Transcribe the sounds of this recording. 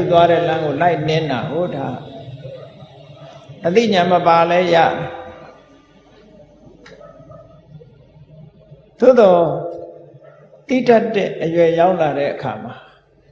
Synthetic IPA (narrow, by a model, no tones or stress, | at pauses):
ut̪waɾɛ̰lãŋɡolaɪʔnɪ̃ndaɡoda | ət̪ḭɲãməpalɛjä̰d̪ɛ | d̪̥o̰d̪ɔ | t̪ḭdatːɛʔəjwɛjaʊ̃laɾɛ̰ʔəkʰa̰ma